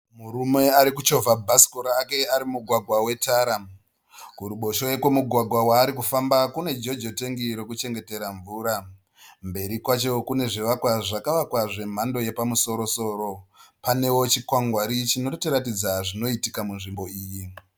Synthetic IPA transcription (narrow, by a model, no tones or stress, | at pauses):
muɾume̞aɾikut͡ʃo̞vʱabʱasi̥koɾaːke̞aɾimuɡʱwaɡʱwawe̞taːɾa | kuɾuɓo̞ʃoekwemuɡʱwaɡʱwawaːɾikufambakune̞d͡ʒo̞d͡ʒo̞te̞ŋɡiɾo̞kut͡ʃe̞ŋɡe̞te̞ɾaɱvuːɾa | mbe̞ɾikwat͡ʃo̞kune̞ʐiʋakwaʐakaʋakwaʐe̞m̤ando̞je̞pamuso̞ɾo̞so̞ːɾo̞pane̞wo̞t͡ʃikwaŋɡwaɾit͡ʃino̞tiɾatid͡zaʐino̞itikamunʐimbo̞iːji